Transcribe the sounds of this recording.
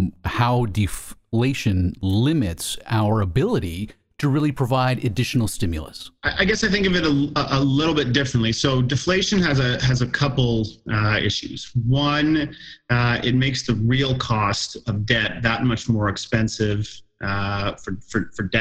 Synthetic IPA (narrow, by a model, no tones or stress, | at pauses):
haʊdɨfleɪʃɨ̃nlɪ̃mɪtsaʊə˞əbɪlˠəɾi | ɾɨɹɪlˠipʰɹ̥ɨvaɪɾɨdɪʃn̩l̩ˠstɪ̃mjl̩ˠə̰saɪʔaɪɡɛsaɪθɪ̃ŋkʌvɨɾəəʔəlɪɾl̩ˠbɪt̚d̥ɪfɹɨ̃n̩ʔlisoʊdɨfleɪʃɨ̃nɨzɨɨzəkʰʌpl̩ˠɪ̰ʃʉ̰z̥wʌ̃n | ɪ̰t̚meɪksðɨɹilˠkʰɔstʌvdɛt̪̚ðət̚mʌt͡ʃmɔɹɨkspɛ̃nsɪv̥ | fə˞fə˞fə˞dɛ